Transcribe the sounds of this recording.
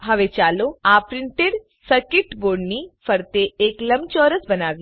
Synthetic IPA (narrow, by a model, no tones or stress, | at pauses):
ɦɐʋet͡ʃaːloaːpɾɪɳʈeɽ | səɾkeʈboːɽnifʰɐɾt̪eeːklɐmt͡ʃɔːɾəsbɐnaːʋi